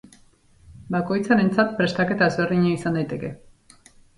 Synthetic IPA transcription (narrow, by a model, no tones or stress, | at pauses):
bako̞jt͡saɾe̞nt͡sat̪̚pɾe̞st̪ake̞t̪aezβe̞ɾðiɲaisand̪ajt̪e̞ke̞